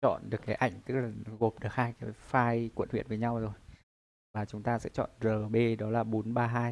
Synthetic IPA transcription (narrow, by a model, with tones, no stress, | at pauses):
t͡ɕɔ̰˧˨nɗɨ˨˩əkːaː˨˦jʔa˧˩jŋ̟t̪ɨ˦˥k̚laː˨˩ɣo˨˩p̚ɗɨ˨˩ək̚haː˧jkaː˨˦jfaː˧jkwḭ˧˨nhwḭ˧˨ənvəː˨˦jɲa˧wzo˨˩j | vaː˨˩t͡ɕʊ˨˦ŋ͡mt̪aː˧sɛ̰˧˥t͡ɕɔ̰˧˨nzəː˨˩ɓe˧ɗɔ˨˦laː˨˩ɓo˨˦nɓaː˧ɦaː˧j